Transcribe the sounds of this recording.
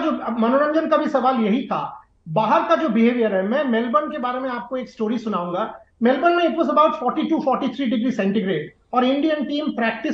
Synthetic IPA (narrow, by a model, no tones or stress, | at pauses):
d͡ʒoːmɐnoɾə̃nd͡ʒənkabʱisɐʋaːljɐɦit̪ʰa̰ː | baːɦəɾkad͡ʒoːbɪɦeːʋijəɾɦɛmɛ̃ːmɛːlbənkebaːɾemẽaːp̚koeːksʈoːɾisʊnaːũːŋɡaː | meːlbənmẽeːk̪ʋozɐbaːʊʈfɔːɾʈiʈuːfɔːɾʈit̪ʰɾiːɖɪɡɾisɛ̃ɳʈiɡɾeːɖ | ɔːɾɪ̃ɳɖijənʈiːmpɾɛːk̚ʈɪ